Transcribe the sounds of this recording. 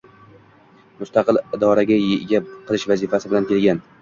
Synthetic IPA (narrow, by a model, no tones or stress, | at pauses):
mʊst̪ɑqɨlɪd̪ɒɾaɡʲajeɡʲaqʰɨlˠɪʃvazifasɪbɪlankʲʰe̞lɡʲan